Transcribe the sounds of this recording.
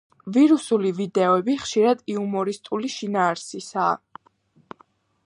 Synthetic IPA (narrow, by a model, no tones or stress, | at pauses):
viɾusulivid̪ɛɔɛbiχʃiɾad̪iumɔɾist̪ʼuliʃinaːɾsisaː